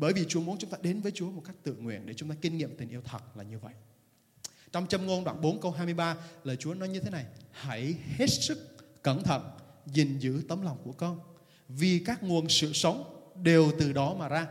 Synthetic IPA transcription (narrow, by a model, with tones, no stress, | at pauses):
ɓəː˧˩jvi˨˩t͡ɕu˨˦əmu˨˦ənt͡ɕʊ˨˦ŋ͡mt̪aː˧ɗe˨˦nvəː˨˦jt͡ɕu˨˦əmo˨˩t̚ka˦˥jk̚t̪ɨ̰˧˨ŋwḭ˧˨ənɗe˧˩t͡ɕʊ˨˦ŋ͡mt̪aː˧ki˧ŋ̟ŋḭ˧˨əmt̪ï˨˩ŋ̟ʔi˧əwt̪ʰə˨˩t̚laː˨˩ɲɨ˧və̰˧˨jʔ | t͡ɕɔ˧wŋ͡mt͡ɕə˧mŋo˧nɗwaː˧˩nɓo˨˦nkə˧wɦaː˧jmɨ˧əjɓaː˧ləː˨˩jt͡ɕu˨˦ənɔ˨˦jɲɨ˧t̪ʰe˨˦na˨˩jha˧˩jhe˦˥t̚sɨ˦˥k̚kə˧˩nt̪ʰə̰˧˨nzi˨˩ŋzɨ̰˧˥t̪ə˨˦mla˨˩wŋ͡mku˧˩əkɔ˧n | vi˨˩kaː˦˥k̚ŋu˨˩ənsɨ̰˧˨sə˨˦wŋ͡mɗe˨˩wt̪ɨ˨˩ɗɔ˨˦maː˨˩zaː˧